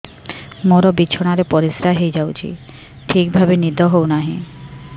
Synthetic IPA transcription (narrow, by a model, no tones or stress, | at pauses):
moɾobitːɕʰoɽ̃aɾepɔɾisɾaɦejd͡ʑawt͡ɕʰḭ | ʈʰik̚bʱabenid̪ʱoɦownaɦĩ